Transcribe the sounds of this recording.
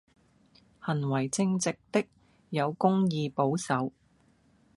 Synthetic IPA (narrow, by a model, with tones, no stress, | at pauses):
hɐ˨˩nwɐ˨˩jt͡sɪ˧ŋt͡sɪ˨k̚t̪ɪ˥k̚ | jɐ˨˧wkʊ˥ŋjiː˨˧po˨˥wsɐ˨˧w